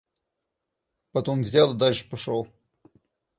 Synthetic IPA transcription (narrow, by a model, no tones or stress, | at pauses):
pɐt̪omvzʲalˠɨd̪alʲʂɨ̥pɐʂolˠ